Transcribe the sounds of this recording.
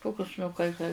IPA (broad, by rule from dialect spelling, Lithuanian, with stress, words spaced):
ˈtoːkʲʊs nʊ kɐɪ kɐɪ